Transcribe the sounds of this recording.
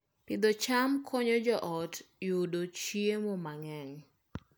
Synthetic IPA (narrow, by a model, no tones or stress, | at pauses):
pɪd̪ɔt͡ʃamkʰɔɲɔd͡ʒɔʔɔtjʊdot͡ʃiemomaŋɛŋ